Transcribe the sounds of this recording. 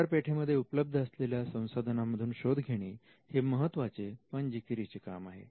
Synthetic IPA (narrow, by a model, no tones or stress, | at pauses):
aɾpeʈʰeməd̪ʱːjeupləb̚d̪ʱəəsleljasə̃w̃sad̪ʱənaməd̪ʱuːnɕod̪ʱɡʱeɽ̃iː | heməɦət̪ːʋat͡set̪ʋəɲd͡ʑikɾit͡seka̰maɦḛ